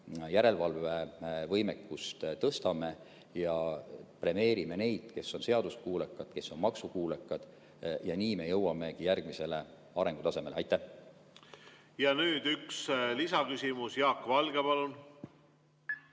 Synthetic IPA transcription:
jæɾe̞lvɑlve̞vɤjmekːust̪t̪ɤst̪ɑme̞ | jɑpre̞me̞ːɾime̞ne̞jd̪̥ke̞sːo̞nse̞ɑd̪uskuːlekːˑɑd̪̥ke̞sːo̞nmɑksukuːlekːˑɑd̪̥ | jɑniːme̞jɤwːɑme̞ɡ̥ijærɡ̥mise̞le̞ | ɑɾe̞ŋɡ̥ut̪ɑse̞me̞leɑjt̪ːˑæh | jɑnyːd̪ykslisɑkysimusjɑːkːvɑlɡ̥epɑlun

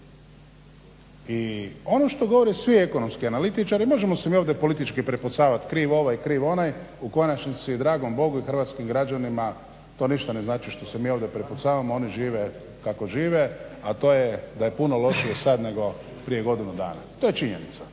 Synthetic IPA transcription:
io̞noʃt̪o̞ɡo̞ʋo̞ɾisʋie̞ko̞no̞mskianalit̪it͡ʃaɾimo̞ʒemo̞semiːoʋd̪epo̞lit̪it͡ʃkipɾeput̪saːʋat̪kɾiːʋo̞ʋajkɾiːʋo̞najuko̞nat͡ʃnisid̪ɾaːɡo̞mbo̞ɡuixrʋat̪skimɡɾad͡ʒanima | t̪o̞niʃt̪ane̞znaːt͡ʃiʃt̪o̞semiːoʋd̪je̞pɾeput̪saːʋamoo̞niʒiːʋe | kako̞ʒiːʋeat̪o̞ːjed̪aje̞punolˠo̞ʃiesad̪ne̞ɡo̞ | pɾije̞ɡo̞d̪inud̪a̰ːna̰t̪oje̞t͡ʃiɲenit̪sa

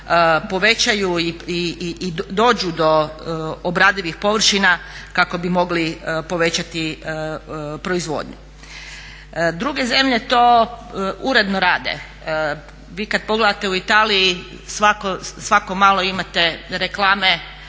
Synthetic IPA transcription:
po̞ʋe̞t͡ɕajuiiid̪o̞ːd͡ʑud̪o̞obɾaːd̪iʋixpo̞ʋr̩ʃinakako̞bimo̞ɡlipo̞ʋe̞t͡ɕat̪i | pɾo̞izʋo̞̰ːd̪ɲṵ | d̪ɾuɡe̞ze̞mʎe̞t̪oː | uɾe̞d̪noɾaːd̪ḛ | ʋiːkad̪̚po̞ɡle̞d̪at̪e̞uit̪aːliji | sʋakosʋako̞maːlo̞imat̪e̞ɾeklˠaːme

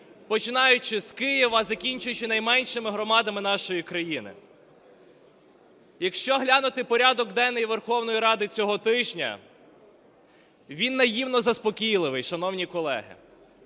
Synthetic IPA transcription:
pɔt͡ʃɪnɑjʊt͡ʃɪskɪjiʋɐzɐkʲinʲt͡ʃʊjʊt͡ʃɪnɐjmɛnʲʃɪmɪɦɾɔmɑd̪ɐmɪn̪ɑʃɔjikɾɐjinɪ̰ | jɐkʃt͡ʃɔɦlʲanʊt̪ɪpɔɾʲad̪ɔɡ̚d̪ɛnːɛjiʋerxɔwnɔjiɾɑd̪ɪt͡sʲɔɦɔt̪ɪʒnʲɐ̰ | ʋʲinːɐjiwnɔzɐspɔkʲijlˠɪʋɪjʃɐnɔwnʲikɔlˠɛ̰ɦɪ̰

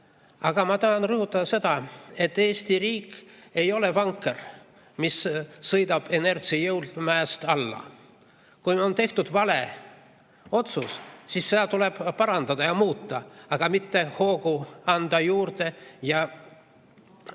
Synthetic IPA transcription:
ɑɡ̥ɑmɑt̪ɑɦːnrɤhut̪ːˑɑd̪ɑse̞d̪̥ɑe̞t̪ːe̞ːst̪iriːkːˑe̞jo̞le̞vɑŋkˑːer | missɤjd̪ɑb̥e̞ne̞rsiɑjɤwld̪mæːst̪ɑlːɑ̰ | kujo̞nt̪e̞ht̪ud̪̥vɑle̞ | o̞t̪sussisːe̞d̪ɑt̪uleb̥pɑɾɑnd̪ɑd̪ɑjɑmuːt̪ːɑɑɡ̥ɑmit̪ːe̞ho̞ːɡuɑnd̪ɑjuːrd̪̥e̞jɑ

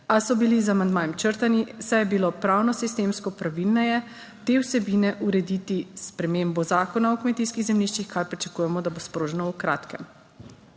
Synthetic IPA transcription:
asɔbilizamand̪maːjɛmt͡ʃəɾt̪anisajɛbilopɾawnɔsist̪emskɔpɾaʋilnɛjɛ | t̪ewsɛbiːnɛʔuɾɛd̪iːt̪ispɾɛmembɔzaːkɔnaɔkmɛt̪iskiɣzɛmniʃt͡ʃixkʰaɾpɾit͡ʃḁkuːjɛmɔd̪abospɾoːʒɛnɔukɾaːt̪kɛm

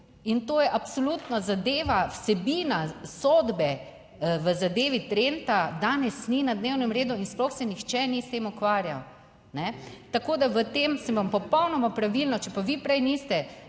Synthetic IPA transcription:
int̪oːjɛʔapsolut̪nɔzad̪eːʋawsɛbiːnasod̪bɛ | ʋəzad̪eːʋit̪ɾent̪ad̪aːnɛsninad̪newnɛmɾeːd̪uinsplɔxsɛnixt͡ʃɛnist̪eːmukʋaːɾja̰w | nɛt̪akoːd̪aʋət̪eːmsənʋampɔpɔwnɔmapɾaʋilnɔt͡ʃɛpaʋipɾɛjnist̪ɛ

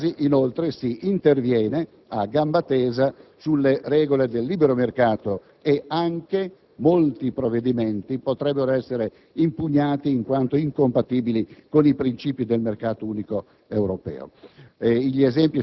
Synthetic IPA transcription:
ziʔinolt̪ɾesiʔint̪ervjɛːne | aɡambat̪ɛːzasulːerɛːɡoled̪elːiːbeɾomerkaːt̪o | eaŋke | molt̪ipɾovːed̪iment̪ipot̪ɾɛbːeɾoɛsːeɾe | impuɲːaːt̪iːŋkwant̪oiŋkompat̪iːbilikonipɾint͡ʃiːpid̪elmerkaːt̪ouːniko | ewɾopɛ̰ːo̰eiʎːezɛmpi

